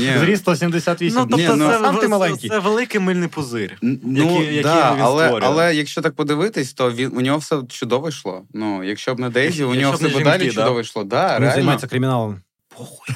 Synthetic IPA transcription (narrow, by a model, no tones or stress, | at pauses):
nʲizɾʲist̪ɔsʲimd̪esʲat̪ʋʲinnʲinuɛamimɐlˠɛnʲkʲisɛʋelˠɪkɪjmɪlʲnɪjpʊzɪrʲnjɐujɐd̪aʋʲɐlˠɛɔɾɐlˠɛjɐkʃt͡ʃɔt̪ɑk̚pɔd̪ɪʋɪt̪ɪsʲt̪ɔʋʲinʔʊnʲɔɦɔfsɛt͡ʃʊd̪ɔʋɪʃlˠɔ̰nujɐkʃt͡ʃɔbnɐd̪ɛzʲiʊnʲɔɦɔsɛbʊd̪ɑlʲit͡ʃʊd̪ɔʋɪʃlˠɔd̪ɑɾneɪazɐjʲlnmajɪt͡sʲːɐkɾɪmʲɪnɑlˠɐm | b̥ɔ